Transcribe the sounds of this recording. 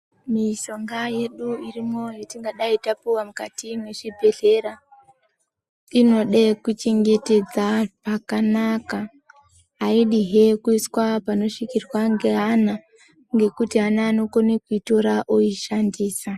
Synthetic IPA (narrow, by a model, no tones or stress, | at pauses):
miʃo̞ŋɡaje̞ɗuirimo̞jetiŋɡaɗaitapuwamukatimwe̞ʐibʱe̞ɮe̞ɾa | ino̞ɗekut͡ʃeŋɡe̞te̞d͡zapakanakaː | iɗiɦekuiswapano̞ʂikirwaŋɡeɦana | ŋɡe̞kutiɦanaːno̞konekuito̞ɾaʔoiʃandiːsa